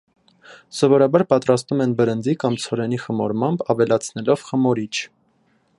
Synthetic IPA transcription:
sɔvɔɾɑbɑɾpɑt̪ɾɑst̪umɛnbəɾənd͡zikɑmt͡sʰɔɾɛniχəmɔɾmɑmbɑvɛlɑt͡sʰnɛlɔv̥χəmɔɾit͡ʃʰ

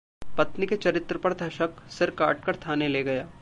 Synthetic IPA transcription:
pɐt̪niket͡ʃɐɾɪt̪ɾəpɐɾd̪ʱɐʃəksɪɾka̰ːʈ̚kɐɾt̪ʰaːneleɡɐjaː

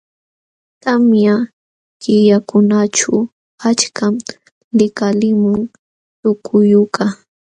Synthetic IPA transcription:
t̪amja | kɪjakʊnat͡ʃaw | at͡ʃkam | lɪkalɪmʊŋ | t̪ʊkʰʊjʊka

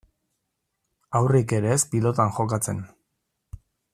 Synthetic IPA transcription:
awrike̞ɾe̞spilo̞t̪aŋxo̞kat͡se̞n

